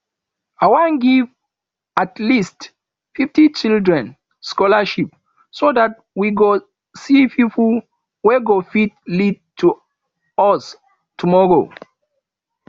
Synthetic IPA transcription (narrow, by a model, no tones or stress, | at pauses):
awãnɡiv | atlist | fiftit͡ʃildɹɛ̃n | skɔlaʃip̚ | sodat̚wiɡo | sipip | wɛɡofit̚lid̚tʰu | ɔs | tʰumɔɹo̰